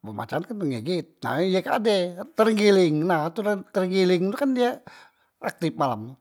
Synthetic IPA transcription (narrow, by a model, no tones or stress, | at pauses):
bəma̰t͡ʃankanəŋɛɡit̪̚na̰ijaka̰dɛt̪əɾŋɡilɪŋnaht̪ut̪ərŋɡilɪŋt̪ukandia | ak̚t̪ɪpmalam